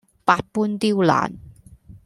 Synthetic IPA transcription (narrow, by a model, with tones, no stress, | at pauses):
paː˧t̚pu˥nt̪i˥wla̰ː˨˩˦n